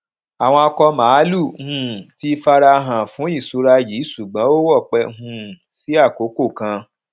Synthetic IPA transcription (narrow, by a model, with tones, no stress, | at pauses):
a˨w̃ɔ̃˧ɔ˧kɔ˧mã˨˦lu˦˨hũ˦ti˦fa˧ɾa˧ɦã˨fũ˨˦i˦˨su˧˦ɾa˧ji˨˦su˨ɡ͡bã˦o˦wɔ˦˨k͡pɛ˧ɦũ˧˦ | si˨˦a˦˨ko˨˦ko˦˨kã˧